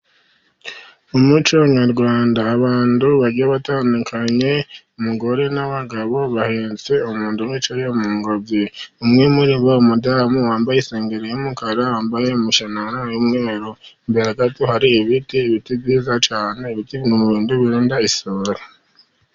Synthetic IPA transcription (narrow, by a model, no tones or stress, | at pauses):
umut͡ʃoɲaɾɡwaːndaːβaːnduβaɾɟiaβataːnukʰaɲe̞umuɡo̞ɾe̞naβaɡaβo̞βaheːnt͡seumuːndumit͡ʃojeumuːŋɡovjeumŋemuɾiβoumudamuwaːmbajiseːŋɡeɾejomukaɾaaːmbajeumuʃananjumŋeːɾo | mbeɾaɡatuhaɾiːβitiːβitibiːzat͡ʃaːne̞iβitiβnumuβiːnduβiɾuːndaisoɾa